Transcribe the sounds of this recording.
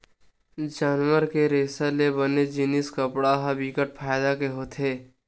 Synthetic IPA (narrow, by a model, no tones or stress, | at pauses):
d͡ʒaːnʋəɾkeɾeːsəlebəned͡ʒiːniskəpɽaɦabikəʈ̚pʰaːjd̪akeɦoːt̪ʰeː